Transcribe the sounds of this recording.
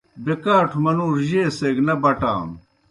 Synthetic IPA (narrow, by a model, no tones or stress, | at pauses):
bekaːʈʰumɐnuːɾʑeːseɡnɐbɐʈa̰ːm